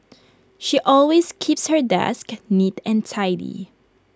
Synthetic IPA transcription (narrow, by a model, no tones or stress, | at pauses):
ʃiʔɔlweskʰipshə˞dɛ̰sknitɛ̃ntʰaɪdḭ